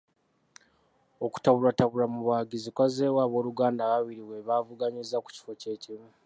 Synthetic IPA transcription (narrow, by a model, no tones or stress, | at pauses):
oku̥taβulataβuɾamuβaɡizikwazeːwaβo̞ːluɡaːndaβaβiɾiwe̞βavuɡaɲizːaku̥ci̥fo̞ce̞ːcimu